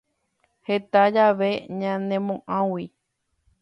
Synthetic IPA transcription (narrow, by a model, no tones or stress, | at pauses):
he̞t̪ad͡ʒaʋe̞ɲãnẽmõʔãwi